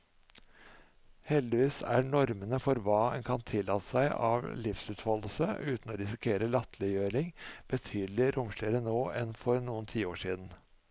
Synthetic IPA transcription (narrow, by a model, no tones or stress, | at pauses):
hɛld̪ɪʋiːsæ̰ɳɔɾmənəfɔɾʋɑːɛ̰nkʰɑnt̪ʰɪlːɑt̪ə̥sæɪʔɑ̰ʋlɪfsʉːt̪hɔləl̩səʔʉːt̪n̩ɔːɾɪsɪkʰeːɾəlɑt̪ʰlɪjøːɾɪŋb̥ət̪ʰyːd̪l̩ɪɾʊmʃʂlɪəɾənoːɛnfɔɾnuːənt̪ʰiːoːʂiːd̪n̩